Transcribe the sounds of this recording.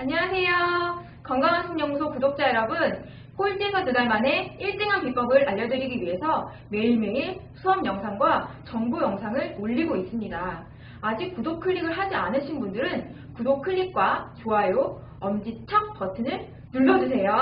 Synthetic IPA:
aɲiwasʰe̞jo | kʌŋɡaŋansʰʌŋɲʌŋusʰokudok̚t͡ɕ͈aeɾʌbɯn | koit͡ɕ͈esʰʌtɯdaɭmane̞iɭt͈eŋɦanpip͈ʌɡɯɾaʎːʌdɯɾiɡiɥiɦe̞sʰʌ | me̞iɭme̞iɭsʰuʌmjʌŋsʰaŋɡwat͡ɕʌŋbujʌŋsʰaŋɯɭoʎːiɡois͈ɯmɲidaː | d͡ʑik̚k͈udokʰɯɭːiɡɯɭɦad͡ʑianɯɕʰinbundɯɾɯn | kudok̚kʰɯɭːik̚k͈wat͡ɕoajo | ʌmd͡ʑit͡ɕʰʌk̚p͈ʌtʰɯnɯɭ | nuɭːʌd͡ʑus̬ʰe̞jo

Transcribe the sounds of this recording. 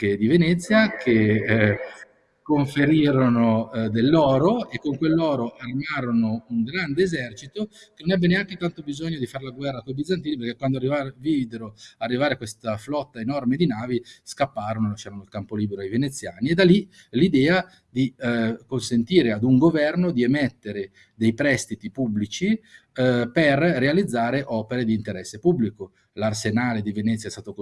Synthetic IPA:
ked̪ivenɛt̪sːjakʰe | koɱfeɾiːɾonod̪elːɔːɾoekːoŋkwelːɔːɾoʔarmaːɾonouŋɡɾand̪eːzɛrt͡ʃit̪okenonabːeneaŋket̪ant̪obizoɲːod̪ifaɾelaɡwɛrːakojbid̪zant̪̬iːniperkekwand̪oarːivavid̪eɾoarːivaːɾekwest̪aflɔt̪ːaenɔrmed̪inaːviskapːaːɾonolat͡ʃeːɾanoilkampoliːbeɾoajvenet̪sːjaːnied̪ali | lid̪ɛːa | d̪ikonsent̪iːɾead̪uŋɡovɛrnod̪iemɛt̪ːeɾe | d̪ejpɾɛst̪it̪ipubːlit͡ʃi | perːealid̪zːaːɾeʔɔːpeɾed̪iːnt̪eɾɛsːepubːliko | larsenaːled̪ivenɛt̪sːjaɛst̪aːt̪o

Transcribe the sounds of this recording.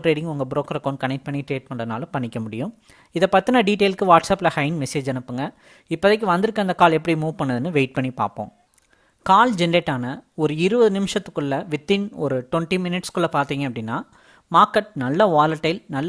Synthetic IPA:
ʈɾeːʈɪ̃ŋɡʊŋɡɐbɾoːkɐɾɐkːoːnkɐnɛk̚ʈ̚pɐɳːiʈɾeːʈ̚mɐɳɖɐɐna̰ːlʊ̃pɐɳːɪkʲːɐmʊɽɪ̰jʊ̃ | ɪðɐpɐt̪ːɯnɐɖiːʈeːlkɯʋaːʈsɐːplɐhɐɪnmɛseːd͡ʒɛnɯpːɯŋɡɐ | ɪpːɐðɛkːɯʋɐnd̪ɯɾɯkːɐnd̪ɐkaːlɛpːɐɽimuːʋpɐɳːɐðɯnːɯʋeɪʈ̚pɐɳːipa̰ːɾpõ̰ː | kaːld͡ʒɛnɐɾeːʈːaːnɐɔɾɯɪɾɯʋɐðɯnɪmɪʂɐt̪ːɯkːɯɭːɐʋɪt̪ːɪnɔɾɯʈɔɳʈimɪnɪʈskɯɭːɐpaːɾt̪iːŋɡɐpːɽɪnːaː | maːɾkɐʈ̚nɐlːɐʋaːlɐɾʈːɐɪlnɐlː

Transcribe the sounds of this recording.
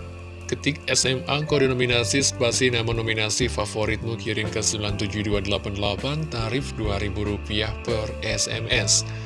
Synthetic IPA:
kət̪ɪk̚ɛsɛmaŋkodənominasisbasinamanominasifafoɾɪt̪̚mukiɾɪnkəsəmilant̪ud͡ʒuduadəlapandəla̰pant̪aɾɪfduaɾibuɾupiahpərɛsɛ̰mɛs

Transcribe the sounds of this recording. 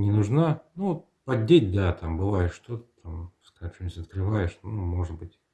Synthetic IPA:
nʲɪnʊʐnanuot̪̚ | pɐdʲːetʲd̪at̪ambɨvajɪʂt̪ot̪ə̥t̪amskat͡ɕonʲsʲɐt̪̚kɾɨvajɪʂnumo̞ʐɨd̪̚bɨtʲ

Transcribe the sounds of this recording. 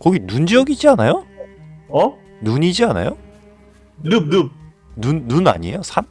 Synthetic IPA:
kʌɡinund͡ʑʌɡid͡ʑianajo | ʌ | nuɲid͡ʑiana̰jo | nunu | nunːuna̰ɲiejosʰan

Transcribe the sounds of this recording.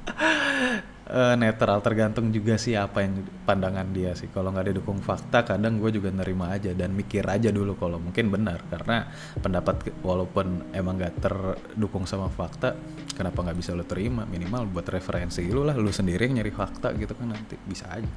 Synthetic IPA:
ənet̪ɾalt̪ərɡant̪ʊŋd͡ʒuɡasɪhapajaŋpandaŋandiasɪhkaloŋɡaʔdidukʊŋfak̚t̪akadaŋɡuad͡ʒuɡanəɾimaːd͡ʒadanmikɪrʔad͡ʒadulukalomuŋkɪnbənərkaɾəna | pəndapat̪̚walawpʊnemaŋɡaʔt̪ər | dukʊŋsamafak̚t̪a | kənapaŋɡabisalut̪əɾimaminimalbuat̪refəɾʔɛnsilulahlusəndiɾiŋəɲaɾihfak̚t̪a̰ɡit̪ukanːant̪ibisa̰ːd͡ʒa

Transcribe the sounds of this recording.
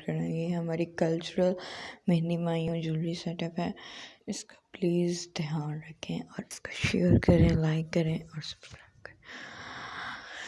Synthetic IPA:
kɐɾẽjeɦɐmaːɾikɐlt͡ʃʊɾəlmɛɦnimaːijõd͡ʒʊlɾisɛʈəpɦɛːɪskḁpliːzd̪ɪjaːnɾɐkʰẽʔɔːɾɪskḁʃeəɾkɐɾẽlaɪkːɐɾẽːɔːɾsɐ̥pskɾaɪb̚kɐɾẽ

